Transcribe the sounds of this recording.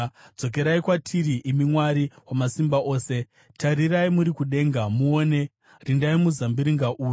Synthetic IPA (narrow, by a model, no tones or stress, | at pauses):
d͡zo̞k̬e̞ɾaikwatʰiɾiʔimimwaɾiwamasimbaʔo̞ːse̞ | tʰaɾiɾaimuɾikuɗe̞ːŋɡamuoːne̞ | rindaimuzambiɾiŋɡaʔuːju